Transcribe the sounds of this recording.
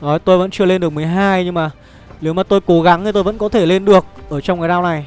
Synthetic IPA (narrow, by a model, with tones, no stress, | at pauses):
nɔ˨˦˨t̪o˧jvə̰˧˥nt͡ɕɨ˧əle˧nɗək̚m˨˩əjɦaː˧jɲɨ˧ŋmaː˨˩ | ne˨˦wmaː˨˩t̪o˧jko˨˦ɣa˨˦ŋi˨˩t̪o˧jvə̰˧˥nkɔ˨˦t̪ʰe˧˩le˧nɗɨ˨˩ək̚ʔəː˧˩t͡ɕɔ˧ŋ͡mka˨˩jɗaː˧wna˨˩j